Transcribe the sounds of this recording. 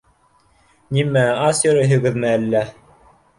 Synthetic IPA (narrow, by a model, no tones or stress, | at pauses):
nimæɑsʲoɾɘɦɵ̆ɡɘ̆ðmɘælːæ